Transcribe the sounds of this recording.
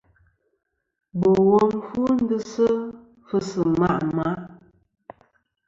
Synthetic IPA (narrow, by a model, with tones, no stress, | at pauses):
bo˨wɔ˦mfu˦n̩˦dɨ˦sə˦ | fə˦sɨ˨ma˦ʔma˨˦